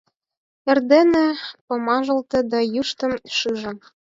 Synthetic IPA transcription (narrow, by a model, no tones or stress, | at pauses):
ĕrd̪enĕpŏmɑʒɤ̆lt̪ɤ̆d̪ɑjuʃt̪ɤ̆mʃɯʒɤ̆n